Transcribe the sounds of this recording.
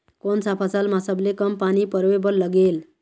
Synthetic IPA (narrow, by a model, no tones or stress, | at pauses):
konsapʰasalmasəblekəmpanipəɾʋebəɾləɡel